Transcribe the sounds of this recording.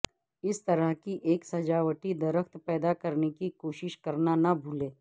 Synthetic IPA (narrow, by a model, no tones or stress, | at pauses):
ɪst̪ɐɾəɦkiʔeːksɐd͡ʒaːʋəʈid̪ɐɾəkt̪pɛːd̪akɐɾnekikoːʃɪʃkɐɾnanɐbʱuːlẽː